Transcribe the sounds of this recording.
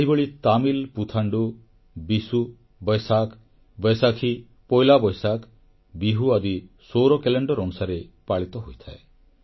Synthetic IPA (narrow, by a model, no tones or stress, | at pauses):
eɦibɔɭit̪amilput̪ʰaɳɖu | bisu | bɔjsakʰ | bɔjsakʰi | pɔjlabɔjsakʰ | biɦuad̪i | soɾɔkeleɳɖɔɾɔnusaɾepaɭit̪ɔɦojt̪ʰae